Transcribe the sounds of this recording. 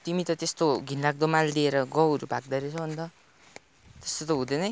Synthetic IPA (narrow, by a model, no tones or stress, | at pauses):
t̪imit̪ʌt̪est̪oɡʱinlaɡ̚d̪omald̪ieɾʌɡʌwʌɾubʱaɡ̚d̪ʌɾet͡sʰʌbʱʌnd̪ʌ | t̪est̪ot̪ʌɦud̪enʌj